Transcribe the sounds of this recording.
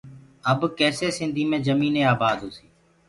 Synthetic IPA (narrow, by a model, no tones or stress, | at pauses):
əbkɛːseːsɪnd̪ʱiːmẽːd͡ʒəmiːneːaːbaːd̪oːsiː